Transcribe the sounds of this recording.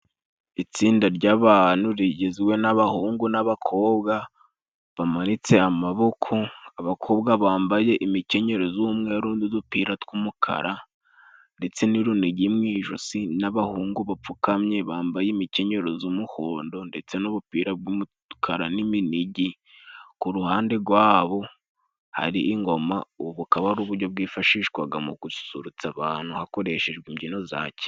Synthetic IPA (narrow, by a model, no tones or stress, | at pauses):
it͡siːndaɾɟaːβaːnuɾiɟeziwe̞naβahuːŋɡunaβakʰo̞ːbɡa | βamanit͡se̞amaβo̞kʰoaβakʰo̞ːbɡaβaːmbaje̞ʔimice̞ɲe̞ɾozumŋeɾuːndidupiːɾatkumukʰa̰ɾʔa | nde̞t͡se̞niɾuniɟimŋiːʒo̰sinaβahuːŋɡuβap͡fukamɲe̞βaːmbajemice̞ɲe̞ɾo̞zumuhoːndo̞nde̞t͡se̞noβupiːɾabɡumu | kʰaɾaniminiɟi | kuɾuhaːnde̞ɡwaːβo̞ | ha̰ɾiʔːŋɡo̞ma̰uβukaβaɾuːβuɾɟo̞b̚ɡiːfaʃiːʃkwaɡamukusu̥suɾut͡saβaːn̥huhako̞ɾe̞ʃe̞ʒɡwiːmɟino̞za̰ːce̥